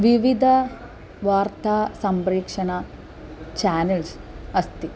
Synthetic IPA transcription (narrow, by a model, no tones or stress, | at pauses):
ʋiʋid̪ʱɐ | ʋaːrt̪aːsɐmbɾeːkʂɐɳɐ | t͡ɕaːnelsɐst̪i